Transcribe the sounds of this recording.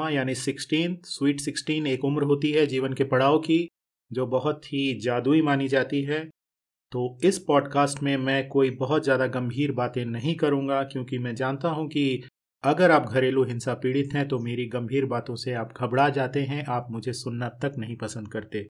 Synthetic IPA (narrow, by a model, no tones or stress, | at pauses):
ajaːnisɪksʈiːnt̪ʰswiːʈsɪksʈiːneːkʊmɾɦoːt̪iɦɛd͡ʒiːʋənkepɐɽ̤aːoki | d͡ʒoːbɐɦʊt̪ɦid͡ʒaːd̪uimaːnid͡ʒaːt̪iɦɛː | t̪oːɪspɔːɖkaːsʈmẽmɛ̃ːkoːibɐɦʊt̪zjaːd̪aɡɐ̃mbʱiːɾbaːt̪ẽnɐɦĩkɐɾũːŋɡakjõːkimɛ̃d͡ʒaːnt̪aɦũki | ɐɡəɾaːp̚ɡʱɐɾeːluɦɪ̃nsapiːɽɪt̪ɦɛ̃t̪omeːɾiɡɐ̃mbʱiːɾbaːt̪õseaːpɡʱɐbɽad͡ʒaːt̪eɦɛ̃ʔaːpmʊd͡ʒʱesʊnːat̪ɐknɐɦĩpɐsə̃nd̪̚kɐɾt̪eː